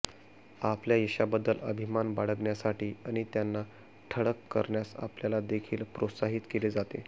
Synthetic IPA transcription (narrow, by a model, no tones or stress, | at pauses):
apljajeɕabəd̪ːələbʱimanbaɽəɡɳjasaʈiːaɽ̃it̪janːa | ʈʰəɽəkːəɾɳjasa̰pljalad̪ekʰiːlpɾot̪saɦit̪keled͡zat̪e